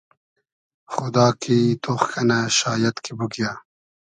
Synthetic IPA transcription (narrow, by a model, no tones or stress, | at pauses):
xʊd̪ɑːkit̪oxkʰɐnaɕaːjɐt̪kibuɡijaː